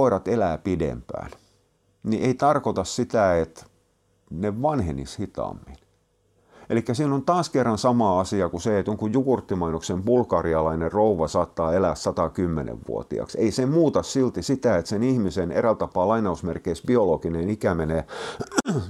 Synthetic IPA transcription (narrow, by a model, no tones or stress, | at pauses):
oirɑt̪elæːpidḛmpæ̰ːn | niʔeit̪ɑrkot̪ɑssit̪æet̪ | neʋʋɑnhenishit̪ɑ̰mːin | ʔelikːæsiːnont̪ɑːskerːɑnsɑmɑːɑsiɑkuseet̪joŋkujjukurt̪ːimɑinoksembulkɑriɑlɑinerrouʋɑsɑːt̪ːɑːelæssɑt̪ɑkymːḛnḛʋʋṵo̰t̪ḭɑ̰kseisemmuːt̪ɑssilt̪isit̪æet̪senihmisenerælt̪ɑpɑːlɑinɑusmerkeisbiolokinenikæmene